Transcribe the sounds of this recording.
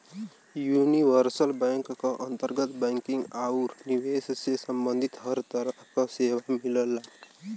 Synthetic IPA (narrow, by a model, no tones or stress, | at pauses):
juniʋəɾsəlbɛŋkkɔʔənt̪əɾɡət̪bɛ̃ŋkiŋɡauɾniʋessesəmbənd̪ʱit̪ɦʌɾt̪əɾəɦkʌseːʋamiləlːa